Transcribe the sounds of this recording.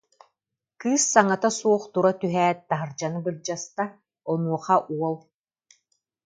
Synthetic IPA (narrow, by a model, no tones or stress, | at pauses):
kɯːsːaŋat̪asuɔχt̪uɾat̪yɦɛːt̪̚t̪aɦɯɾd͡ʒanɯbɯɾd͡ʑast̪a | ɔnuɔχaʔuɔlˠ